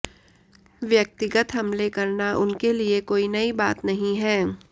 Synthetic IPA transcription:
ʋjɐk̚t̪ɪɡət̪ɦɐmlekɐɾnaʔʊnkeliekoːinɐibaːt̪nɐɦĩɦɛː

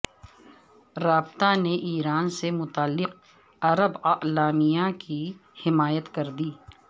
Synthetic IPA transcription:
ɾaːbt̪aneʔiːɾaːnsemʊt̪aːlːɪq̚ | ɐɾəbɐʔlaːmijakihɪmaːjət̪kɐɾd̪iː

